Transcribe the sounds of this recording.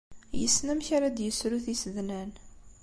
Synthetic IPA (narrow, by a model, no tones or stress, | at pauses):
jəsnæmçaɾad̪jəsɾuθisðnæn